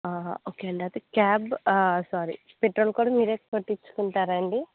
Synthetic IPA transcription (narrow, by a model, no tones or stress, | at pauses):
aːoːkeːɐɳʈɐt̪ekaːbsaːɾḭ | peʈɾoːlkuːɽɐmiːɾeːkɐpɐʈːit͡ʃːu̥kuɳʈaːɾɐɳɖi